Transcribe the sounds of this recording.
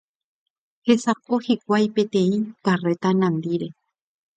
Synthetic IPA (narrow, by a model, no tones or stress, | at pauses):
he̞sapohik̚ʷajpe̞t̪ẽ̞ĩkare̞t̪anãnd̪iɾe